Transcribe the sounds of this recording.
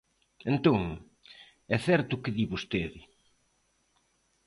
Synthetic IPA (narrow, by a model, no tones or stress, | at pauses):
ent̪oŋ | ɛθɛɾt̪ʊkɪðiβost̪eðɪ